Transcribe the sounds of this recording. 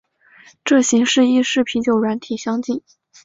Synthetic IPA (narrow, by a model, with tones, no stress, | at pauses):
ʈ͡ʂɤ˥˩ɕi˧˥ŋʂɻ̩˥˧i˥˧ʂɻ̩˥˩pʰi˧˥t͡ɕjo˨˩ʊɻwa˧˥nt̪ʰi˨˩ɕjɑ˥ŋt͡ɕi˥˩n